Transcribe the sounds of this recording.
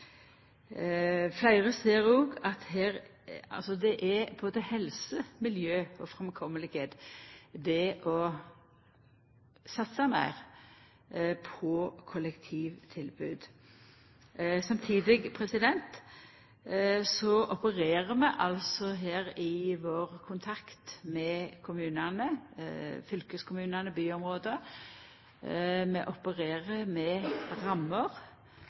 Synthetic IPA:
flæɪʁəseːɾoːɡɑt̪heːɾ | ɑ̰lsɔd̪ɛʔæbboːd̪əhɛlsəmɪljøːɔfɾɛmkʰɔmːəlɪɡheːt̪d̪ɛʔɔ | sɑt̪sɑmæ̰ɪʁ | pʰɔkʰɔlɛkt̪ʰiːʋt̪ʰɪlbʉːd̪ | sɑmt̪ʰiːd̪ɪɡpʰɾɛsɪd̪ɛnt̪ | sɔʔɔpəɾeːɾəmɛʔɑlsɔɦeːʁɪʋoːʁəkʰʊnt̪ʰɑkt̪mɛkʰʊmʉːnɑnə | fʏlkəskʰʊmʉːnɑnəbyːɔmɾoːd̪ə | mɛʔɔpəʁeːʁəmɛɾɑmːəʁ

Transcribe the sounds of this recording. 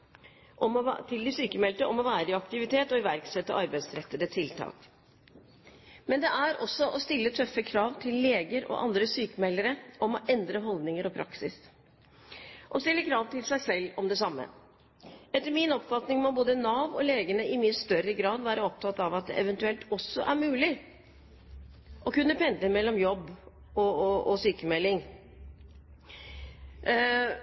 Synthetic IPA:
ʔɔt̪ʰɪld̪ɪsyːkəmɛlt̪əʔɔmɔʋæːɾəɪɑkt̪ɪʋɪt̪ʰeːt̪ɔɪʋæɾksɛt̪ːəʔɑɾbæɪsɾɛt̪ːəd̪ət̪ʰɪlt̪ʰɑ̰ːk | mɛnd̪ɛʔæɾɔsːɔʔɔst̪ɪlːət̪ʰœfːəkʰɾɑːʋt̪ʰɪlːeːɡəɾɔ̰ʔɑ̰nd̪ɾəsyːkəmɛlːəɾəʔɔmɔʔɛnd̪ɾəɦɔld̪nɪŋəɾɔpʰɾɑ̰ksɪs | ʔɔst̪ɪlːəkʰɾɑːʋt̪ɪlsæɪsɛlːɔmd̪ɛsɑmːə̰ | ɛt̪ːəmɪnɔpfɑt̪nɪŋmɔboːd̪ənɑːʋɔleːɡənəɪmɪnst̪œɾəɡɾɑːd̪ʋæːɾəɔp̚t̪ʰɑt̪ɑʋɑt̪̚d̪ɛ̰ʔɛʋɛnt̪ʉɛlt̪ɔsːɔʔæɾmʉːlɪ | ʔɔkʉnːəpʰɛnd̪əmɛlːɔmjɔbː | ɔɔsyːkəmɛlːɪŋ

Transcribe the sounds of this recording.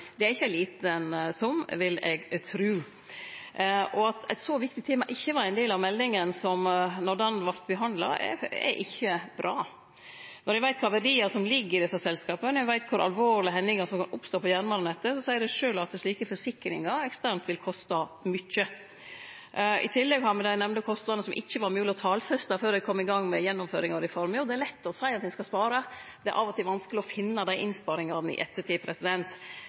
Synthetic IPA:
d̪ɛæɾɪçːəæliːt̪əɛnsɔmʋɪlɛɡt̪ʰɾʉː | ɔɑt̪æ̰ɪt̪sɔʋɪkt̪ɪt̪ʰeːmɑʔɪçːəʋɑɾæɪnd̪eːlɑʋmɛlːnɪŋənsɔmnɔd̪ɛnʋɑɾt̪bəɦɑnd̪lɑ̰ɛ̰ɛ̰ʔɪçːəbɾʔɑː | nɔɾjɛʋæɪt̪̚kʰɑːʋɛɾiːɑsɔmlɪɡːɪd̪ɛsːɑsɛlskɑːpənɔɛʋæɪt̪̚kʰʊɾʔɑ̰lʋoːɾɭɪəɦɛnːɪŋɑsɔmkɑnʔʊ̰pst̪oːpʰɔjæːɾnmɑɾnɛt̪ːəsɔsæɪəɖɛʂøːlɑt̪̚d̪ɛsʂɭiːkəfɔʂɪkɾɪ̰ŋɑɛkst̪æɾnt̪ʋɪlkʰɔst̪ɑmʏçə | ʔɪ̰t̪ʰɪlːɛɡhɑɾmɛd̪æɪnɛmnd̪əkʰɔst̪nɑnəsɔmʔɪ̰çːəʋɑɾmyːəlɔt̪ʰɑːlfœst̪ɑføːɾɛɪkʰɔmːɪɡɑŋːmɛjɛnːɔmfø̰ːɾɪŋɑɾɪfɔɾmɔd̪ɛæɾlɛt̪ːɔsæɪɑt̪d̪ɛskɑspɑːɾəd̪ɛæ̰ɾʔɑ̰ʋɔt̪ʰɪlʋɑnskəlɪɔfɪnːəd̪æɪʔɪnspɑːɾɪŋɑɾnɪ̰ʔɛt̪ːət̪iːpʰɾɛsɪd̪ɛnt̪

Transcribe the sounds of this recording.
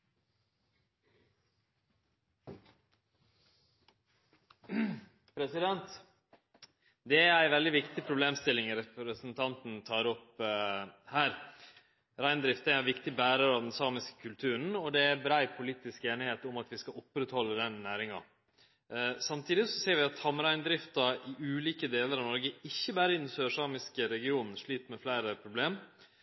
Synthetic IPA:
pʰɾɛsɪd̪ɛnt̪ | d̪ɛæɾæɪʋɛld̪ɪʋɪkt̪ɪpʰɾʊbleːmst̪ɪlɪŋɾɛpɾəsənt̪ʰɑnt̪n̩t̪ʰɑːɾɔp | hæːɾ | ɾæɪnd̪ɾɪft̪æʋɪkt̪ɪbæːɾɑɾɑʋd̪ɛnsɑːmɪskə̥kʰʉlt̪ʰʉːɾən̩ɔd̪ɛæɾbɾæɪpʰʊliːt̪ɪskeːnɪheːt̪ʊmɑt̪ʋɪskɑʊpːɾət̪hɔlːəd̪ɛnːæːɾɪŋɑ̰ | sɑmt̪ʰiːd̪ɪsɔseːɾʋɪɑt̪hɑmɾæɪnd̪ɾɪft̪ɑɪʉːliːkəd̪eːləɾɑʋnɔɾɡəɪçːəbæːɾəɪnənsøːʂɑːmɪskəɾɛɡɪuːnn̩ʂɭiːt̪mɛflæɪɾəpʰɾʊbleːm

